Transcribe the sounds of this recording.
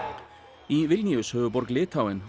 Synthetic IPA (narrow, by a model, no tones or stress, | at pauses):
iːʋɪlnɪʉshœːəbɔɾɡlɪːt̪ʰawɛn